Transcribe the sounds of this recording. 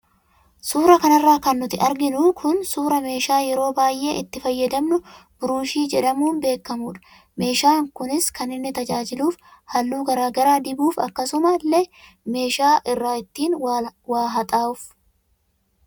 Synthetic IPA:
suːɾɐkɐnɐrːaːkɐnːʊt̪ɪʔɐɾɡɪnukʰʊnsuːɾɐme̞ːʃaːjɛɾo̞ːbaːjʔːe̞ːʔɪt̪ːɪfɐjːɐd̪ɐmnʊb̥ʊɾʊnʃiːd͡ʒɛᶑɐmuːnbe̞ːkːɐmuːᶑɐ̥ | me̞ːʃaːŋkʊnɪskɐnɪnːɪt̪ɐd͡ʒaːd͡ʒɪluːf | hɐlːuːɡɐɾaːɡɐɾaːd̪ɪbuːfɐ̰kːɐsʊmɐlːɛ | me̞ːʃaːʔɪrːaːɪt̪ːiːnwaːɦɐt̪ʼaːʊf

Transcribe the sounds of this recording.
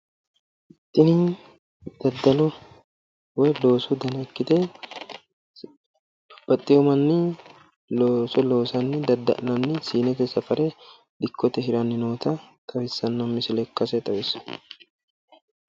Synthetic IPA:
ɪt̪ʼːɪnɪ | d̪̥ɐd̪ːɐlɔ | wɔjlo̞ːsʊd̪ɐnɐkːɪt̪ɛ | b̥ɐt̪ʼːɪjɔmɐnːɪ | losɔlo̞ːsɐnːɪd̪ɐd̪ɐ̰lɐnːɪsiːnɛt̪ɛsɐfɐɾɛ | d̪ɪkʰːɔt̪ɛɦɪɾɐnːɪnoːt̪ɐt̪ʼɐwɪsːɐnːɐmːɪsɪlɛkːɐsɛt̪ʼɐwɪsːɐ̥

